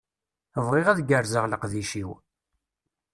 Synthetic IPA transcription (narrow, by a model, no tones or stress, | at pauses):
əvʁɪʁæðɡəɾzəʁləqðiʃiw